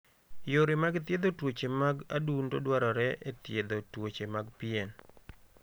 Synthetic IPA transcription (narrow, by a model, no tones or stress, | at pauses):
joɾɪmaɡɪt̪jed̪otwot͡ʃemaɡa̰dundodwaɾɔɾɛʔet̪jed̪otwot͡ʃemaɡpiɛn